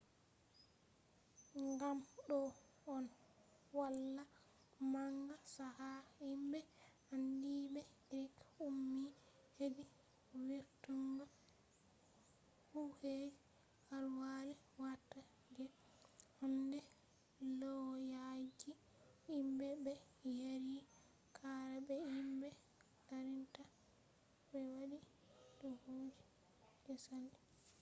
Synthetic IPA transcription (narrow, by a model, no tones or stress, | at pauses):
ŋɡamɗɔ | ɔn | walːa | maŋɡasahaimbɛ | andibɛ | ɾikumːi | hedi | wiɾtuŋɡa | huhed͡ʒ | halwalɛ | watːa | d͡ʒɛ | hɔndɛ | lɔwjad͡ʒi | imbɛbɛ | jeɾi | kʰaɾabɛimbɛ | kaɾinta | bɛwaɗi | dɔhoːd͡ʒi | d͡ʒɔsandi